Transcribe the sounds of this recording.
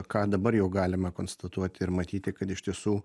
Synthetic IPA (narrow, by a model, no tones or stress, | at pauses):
kɑːd̪ɐbɐɾjɛʊɡɑːlʲɪmɐkoːnst̪ɐt̪uɔt̪ʲɪɾmɐt̪ʲiːt̪ʲɪkɐt̪ɪʃʲt̪ʲiɛsuː